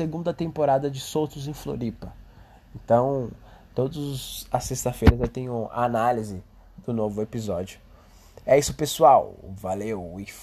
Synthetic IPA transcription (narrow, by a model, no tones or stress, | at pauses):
seɡũnd̪ɐt̪ẽmpoɾad̪ɐd͡ʒɪsowt̪ʊzẽj̃flo̰ɾipɐ | ẽt̪ɐ̃w̃ | t̪od̪ʊzɐsest̪ɐfejɾɐzewt̪ẽɲʊa̰analizɪ | d̪̥ʊnovʊepizɔd͡ʒiʊ | ɛisʊpesuawvalewi